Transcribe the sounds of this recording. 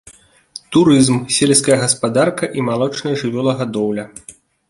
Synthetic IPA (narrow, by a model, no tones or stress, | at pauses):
t̪uɾɨzmsʲelʲskɐjɐɣɐspad̪arkɐʔimalˠɔt͡ʂnɐjɐʐɨvʲɔlˠɐɣad̪ɔwlʲɐ